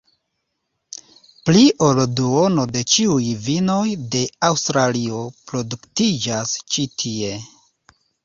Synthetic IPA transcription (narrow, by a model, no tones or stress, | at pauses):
pliʔo̞lduono̞de̞t͡ʃiujvino̞jde̞awstɾaliopɾo̞duktid͡ʒast͡ʃitʰie̞